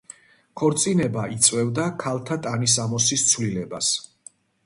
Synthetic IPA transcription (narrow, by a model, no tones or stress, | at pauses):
kʰɔɾt̪sʼinɛbait̪sʼwɛvd̪akʰalˠt̪ʰat̪ʼanis̬amɔsist̪sʰvlilɛbas